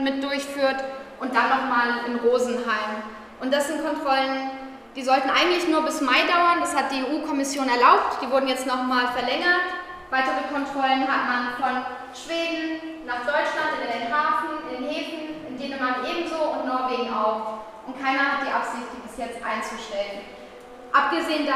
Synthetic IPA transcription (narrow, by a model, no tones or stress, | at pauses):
mɪt̚d̥ʊɐçfyːɐtʔʊnt̚d̥anːɔχmaːlɪnʁoːzn̩ɦaɪm | ʔʊnt̚d̥asz̥ɪnt̚kʰɔntʁ̥ɔlən | d̥iːzɔltn̩ʔaɪɡŋ̩tlɪçnuːɐbɪsmaɪdaʊɐndashat̚d̥iːeːʔuːkʰɔmɪsjoːnɛɐlaʊp̚td̥iːvʊɐdn̩jɛt͡stnɔχmaːlfɛɐlɛŋɐt | v̥aɪtəʁəkʰɔntʁ̥ɔlənɦatmanfɔn | ʃv̥eːdn̩ | naːχd̥ɔʏt͡ʃlantɪndeːnenɦaːfn̩ɪndeːnheːfn̩ɪndeːnəmanʔeːbm̩zoːʊntnɔːɐveːɡŋ̩a̰ʊf | ʔʊnt̚kʰaɪnɐhat̚d̥iːʔapz̥ɪçt̚d̥iːbɪsjɛt͡stʔa̰ɪnt͡suʃtɛlən | ʔap̚ɡ̥əzeːənd